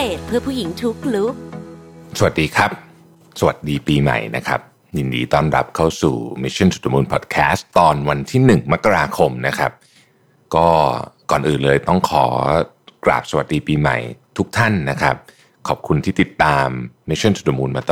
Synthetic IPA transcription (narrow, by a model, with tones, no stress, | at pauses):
eː˨˩t̪̚pʰɯ˥˩ɐpʰuː˥˩ji˩˦ŋt̪ʰu˦˥k̚lu˦˥k̚sa˧wa˨˩t̪̚diː˧kʰɾa˦˥p̚ | sa˧wa̰˨˩t̪̚diː˧piː˧ma̰˨˩jna˦˥kʰa˦˥p̚ | ji˧ndḭː˧t̪ɔː˥˩nɾa˦˥p̚kʰa˥˩wsṵː˨˩mi˧˥sʰa˥˩nsu˨˩a˧muː˧npʰɔ̰ː˨˩t̪̚kʰɛː˦˥st̪ːɔː˧nwa˧nt̪ʰiː˥˩nɯ˨˩ŋma˦˥kːa˧ɾaː˧kʰo˧mna˦˥kʰa˦˥p̚ | kɔː˥˩kɔ̰ː˨˩nʔɯː˨˩nlɤː˧jt̪ɔ˥˩ŋkʰɔ̰ː˩˦ | kɾa̰ː˨˩p̚sa˧wa˨t̪̚diː˧piː˧ma̰˨˩jt̪ʰu˦˥k̚t̪ʰa˥˩nːa˦˥kʰɾa˦˥p̚ | kʰɔː˨˩p̚kʰu˧nt̪ʰiː˥˩t̪i˨˩t̪ːaː˧mːmi˦˥sʰɔ˥˩nsu˨˩t̪̚ːwa˧muː˧nmaː˧t̪ː